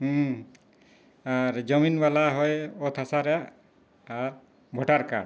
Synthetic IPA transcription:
aɾd͡ʒɔminbalaɦɔjɔt̪ʰasaɾɛjaʔː | ɾ | bʱɔʈaɾka̰ɽ

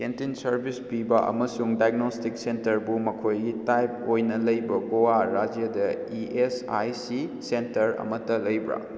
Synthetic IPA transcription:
kentinsɐɾbʱispibɐʔɐ̰mɐsuŋdajɡnostik̚sentɐɾbumɐkʰojɡitajp̚ojnɐlɐjbɐɡowaɾad͡ʒjɐdɐ | iesajsisentɐɾɐ̰mɐtɐlɐjbɾa̰

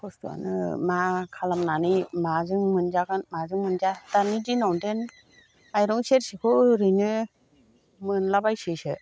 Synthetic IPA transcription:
kʰɔstua̰nɯ̰makʰalamnanimazɯŋmɯnd͡ʒaɡɯnmazɯŋmɯnzatanidinɔwnden | ajɾɔŋseɾsikʰɔɾɯnɯ | mɯnlabajsɯsɯ

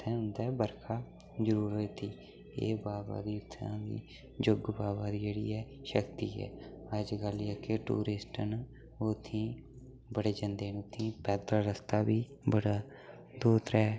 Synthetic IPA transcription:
t̪ʰɛ̃ːɦʊnd̪ɛːbəɾkʰaː | d͡ʒəɾuːɾot̪iː | ḛːbaːba̰ːd̪iːt̪ʰːã̰ːd̪ḭː | d͡ʒʊɡbaːbaːd̪iːd͡ʒeːɽḭːɛː | ʃəkt̪iːɛ̰ː | əd͡ʒɡəljɛːkeʈṵːɾɪsʈən | oːt̪ʰːĩː | bəɽeːd͡ʒə̃nd̪eːnt̪ʰĩːpɛːd̪aːɾəst̪aːbiː | bəɽaː | d̪oːt̪ɾɛː

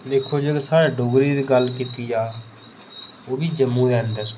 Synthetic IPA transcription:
d̪eːkʰoːd͡ʒeɡsaːɽaːɖoːɡɾiːd̪iːɡəlkiːt̪iːd͡ʒaː | oːbiːd͡ʒəmːũːeənd̪əɾ

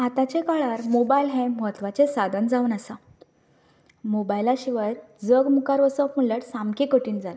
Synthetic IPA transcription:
ɦat̪ãt͡ɕẽkaɭaɾmobailɦẽməɦət̪ʋat͡sesad̪ʱənd͡zaunasa | mobajlaɕiʋəɾ | d͡zəɡmukaɾʋəsəpmuləʈsamkekəʈiːnd͡zala

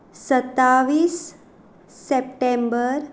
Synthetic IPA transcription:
sət̪ːaʋiːsː | ep̚ʈẽmbəɾ

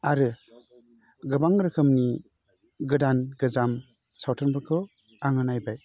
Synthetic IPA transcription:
aɾɯ | ɡɯbaŋɾɯkʰɯmni | ɡɯdanɡɯzam | sawtʰɯnbɯɾkʰɯ | aŋɯnajbaj

